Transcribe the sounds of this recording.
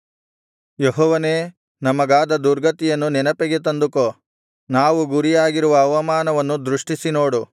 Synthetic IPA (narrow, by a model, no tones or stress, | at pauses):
jeɦɔːʋɐneː | nɐmɐɡaːd̪ɐd̪uɾɡɐt̪ijɐnːunɛnɐpɛɡet̪ɐnd̪uko | naːʋuɡuɾijaːɡiɾuʋɐːʋɐmaːnɐʋɐnːud̪ɾuʂʈisinoːɽu